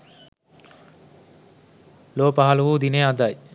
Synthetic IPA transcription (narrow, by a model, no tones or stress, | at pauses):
loːpaɦaluʋuːd̪inead̪aj